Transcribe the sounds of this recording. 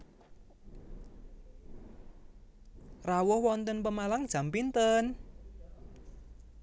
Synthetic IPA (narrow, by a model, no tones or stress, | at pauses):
rawʊhwɔnt̪ənpəmalaŋd̥ʒ̥a̤mpint̪ən